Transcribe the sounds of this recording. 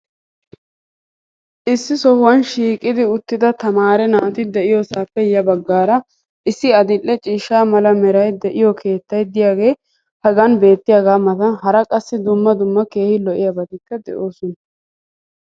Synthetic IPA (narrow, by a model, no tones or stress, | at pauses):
ʔɪsːɪsɔhʊwɐnʃiːkʼːɪd̪ɪʊt̪ːɪd̪ɐt̪ɐmaːɾɛnaːt̪ɪd̪ɛʔɪjoːsaːpːɛjɐbɐɡːaːɾɐ | ʔɪsːɪɐd̪ɪlːɛt͡ʃʼiːʃaːmɐlɐmɛɾɐjd̪ɛʔɪjɔkʰe̞ːt̪ːɐjd̪ɪjaːɡe̞ː | hɐɡɐnbe̞ːt̪ːɪjaːɡaːmɐt̪ɐnɦɐɾɐkʼɐsːɪd̪ʊmːɐd̪ʊmːɐke̞ːhɪlɔʔɪjɐbɐd̪ɪkːɐd̪ɛ̰ʔo̞ːsɔnɐ